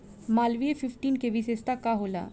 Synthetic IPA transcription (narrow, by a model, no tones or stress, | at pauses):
maːlʋiefɪfʈiːnkeʋɪseːst̪akaɦola̰ː